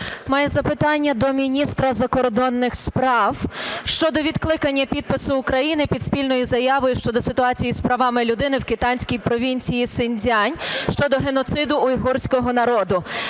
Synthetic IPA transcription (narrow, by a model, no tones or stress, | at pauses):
mɑjɛzɐpɪt̪ɑnʲːɐd̪ɔmʲinʲist̪ɾɐzɐkɔrd̪ɔnːɪxspɾɑwʃt͡ʃɔd̪ɔʋʲid̪klˠɪkɐnʲːɐpʲid̪̚pɪsʊːkɾɐjinɪpʲid̪spʲilʲnɔjizɐjɑʋɔjʊʃt͡ʃɔd̪ɔsɪt̪ʊɑt͡sʲijispɾɐʋɑmɪlʲʊd̪ɪnɪwkɪt̪ɑnʲsʲkʲijpɾɔʋʲinʲt͡sʲijisɪnʲdʲɑnʲʃt͡ʃɔd̪ɔɦenɔt̪sɪd̪ʊːjɦɔrsʲkɔɦɔnɐɾɔd̪ʊ